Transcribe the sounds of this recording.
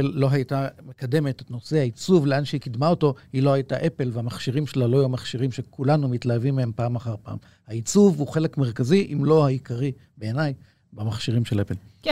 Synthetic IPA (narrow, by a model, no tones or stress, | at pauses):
lːo̞ɦajtamekade̞me̞tetno̞sehait͡suvleʔanʃeikid̪mao̞to̞hilo̞hajtaʔe̞pe̞lveamaχʃiʁimʃelalojumaχʃiʁimʃe̞kulanumitlaavimːehempaːmaχaʁpa̰ːm | hait͡suvuχe̞le̞kmeʁkaziʔimlo̞haikaʁi | be̞enaj | bamaχʃiʁimʃelepel